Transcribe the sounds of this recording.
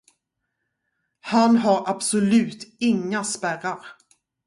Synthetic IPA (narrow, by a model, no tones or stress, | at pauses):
hanɦaɾabsʊlʉ̟ːt̪ɪŋːaspæɾaɾ